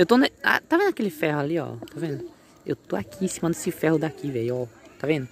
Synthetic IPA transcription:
ewt̪ona̰t̪avẽd̪akelɪfɛhʊaliɔ̰t̪avẽnd̪ʊ | ḛwt̪oakʰiĩsimɐd̪esɪfɛhʊd̪akivejɔt̪avẽnd̪ʊ

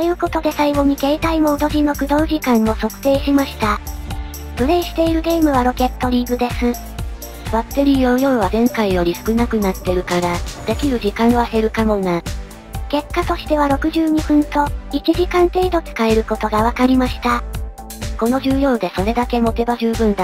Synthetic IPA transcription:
t̪ojɯ̟ːko̞t̪o̞d̪e̞saiɡo̞ɲ̟ike̞ːt̪aimo̞ːd̪o̞ʑino̞kɯ̟d̪o̞ːʑikãnːo̞so̞kɯ̟̥t̪e̞ːɕimaɕi̥t̪a | pɯ̟ɾe̞ːɕi̥t̪e̞iɾɯ̟ɡe̞ːmɯ̟β̞aɾo̞kʲe̞t̪ːo̞ɾʲiːɡɯ̟d̪e̞sɨ | b̥at̪ːe̞ɾʲiːjo̞jo̞ːβ̞azẽ̞ŋkaijo̞ɾʲisɨ̥kɯ̟nakɯ̟nat̪ːe̞ɾɯ̟kaɾad̪̥e̞kʲiɾɯ̟ʑikãɰ̃ase̞ɾɯ̟kamo̞na | ke̞kːat̪o̞ɕi̥t̪e̞βaɾo̞kɯ̟ʑɨːɲ̟iɸɯ̟̃nt̪o̞it͡ɕiʑikãnt̪e̞id̪o̞t͡sɨ̥kae̞ɾɯ̟ko̞t̪o̞ɡaβ̞akaɾʲimaɕi̥t̪a | ko̞no̞ʑɨːjo̞ːd̪e̞so̞ɾe̞d̪ake̞mo̞t̪e̞baʑɨːbɯ̟̃nd̪a

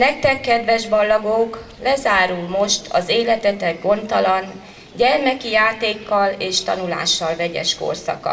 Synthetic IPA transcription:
nɛk̚t̪ɛkːɛd̪vɛʒbɒlːɒɡok | lɛzaːɾulmo̞ʃt̪ʰɒ̰zeːlɛt̪ɛt̪ɛɡɡo̞nt̪ɒlɒn | ɟɛrmɛkijaːt̪eːkːɒleːʃt̪ɒnula̰ːʃːɒlvɛɟɛ̰ʃko̞̰rsɒ̰kɒ̰

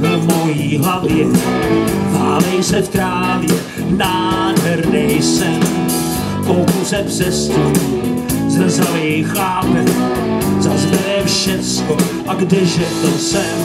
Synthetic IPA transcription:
omojiːɦavjɪ | vaːlɛjsɛtkɾaːlɛ | naːdɦɛɾnɛjsɛm | kowkusɛpsɛst̪u | zɛzalijxaːpɛ | zazvɛfʃɛt͡sko | ʔaɡdɪʒɛt̪osɛm

